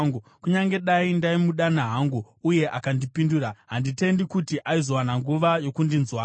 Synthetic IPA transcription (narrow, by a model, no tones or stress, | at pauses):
ɡukuɲaŋɡe̞ɗaindaimuɗanaɦaŋɡu | uje̞ʔakandipinduːraɦandite̞ndikutiʔaizo̞wanaŋɡuʋajo̞kundinzwaː